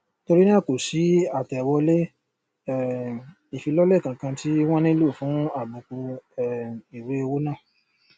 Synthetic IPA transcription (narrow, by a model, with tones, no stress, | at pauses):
to˧ɾi˦nĩ˦ã˦˨ko˨si˨˦a˦˨tɛ˨wɔ˧le˦˨ | i˨fi˧˦lɔ˦lɛ˦˨kã˨kã˧tʰi˦w̃ɔ̃˦nĩ˦lu˦˨fũ˨˦a˦˨bũ˨˧ku˧ɛ˦˨i˨ɾe˦e˧wo˦nã˦˨